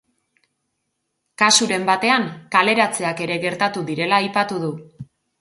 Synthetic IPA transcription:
kasuɾe̞mbat̪e̞aŋkale̞ɾat͡se̞ake̞ɾe̞ɣe̞ɾt̪at̪uðiɾe̞laːjpat̪uð̞u

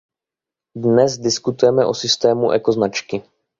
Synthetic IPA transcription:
dnɛzdɪskut̪ujɛmɛʔo̞sɪst̪ɛːmuʔɛko̞znat͡ʃkɪ

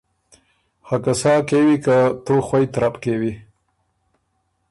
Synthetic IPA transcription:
hakasɑkewikat̪oxwajt̪ɾapkewi

